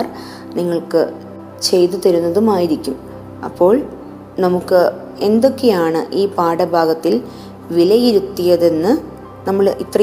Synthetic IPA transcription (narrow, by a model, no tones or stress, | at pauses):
r | niŋːɐɭkɨ | t͡ɕe̞jt̪ut̪ɐɾunːɐðumaːjiɾikʲːum | ɐ̰pːo̞ːɭ | nɐmukːɨ | e̞nd̪o̞kːejaːɳɨʔiːpaːɽɐbʱaːɡɐt̪ːil | ʋilɐjiɾut̪ːijɐðe̞nːɨ | nɐmːɐɭit̪rɐ